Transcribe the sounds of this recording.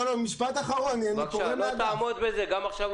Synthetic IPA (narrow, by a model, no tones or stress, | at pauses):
lomiʃpat̪aχaʁo̞nanikoʁemeaamod̪bezeɡamaχʃav